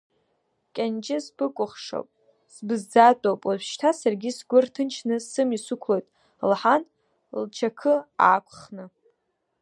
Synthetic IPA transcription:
kʲʼand͡ʒʼɪspʰɨkʷʼʊχʂo̰wpʼ | sbɨzd͡zatʼowpʼaʒʃtʰasarɡʲisɡʷʊrtʰɨnt͡ʃʰnɨsɨmisʊkʷʰlojtʼ | lħan | lt͡ʃʰakʰɨa̰ːkʷʰʼχnɨ

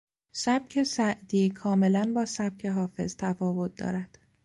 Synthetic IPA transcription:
sæb̥̚cʰe̞sæʔd̪iːkʰɒːme̞lænbɒːsæb̥̚cʰe̞ɦɒːfe̞̰z̥t̪ʰæfɒːvo̞t̪̚d̪ɒ̰ːɾæd̪̥

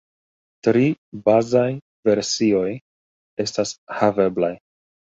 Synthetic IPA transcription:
tɾibazaj | ve̞ɾsio̞j | e̞stashave̞blaj

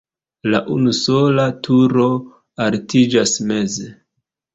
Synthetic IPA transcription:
laʔunuso̞latʰuɾo | altid͡ʒasme̞ze

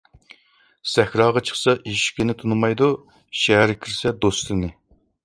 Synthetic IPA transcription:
sɛxʲɾɑːʁɑt͡ʃʰə̥χsɑʔiiʃkʲɪnɪt̪ʰunɨmɑjd̪u | ʃɛɦæɾkʲʰiɾsɛd̪oslɨnɪ

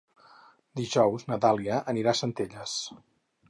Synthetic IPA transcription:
d̪iʒɔwznət̪alˠiəʔəniɾasənt̪eʎəs

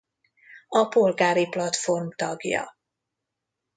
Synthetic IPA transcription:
ɒpo̞lɡaːɾiplɒt̪fo̞rmt̪ɒɡjɒ̰

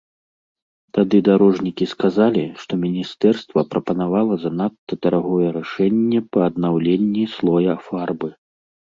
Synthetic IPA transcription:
t̪ad̪ɨd̪aɾɔʐnʲikʲiskazalʲiʂt̪ɔmʲinʲist̪ɛrst̪vɐpɾɐpɐnavalˠɐzɐnat̪ːɐt̪ɐɾaɣɔjɛɾaʂɛnʲːɛpɐːd̪nawlʲenʲːislˠɔjɐfarbɨ

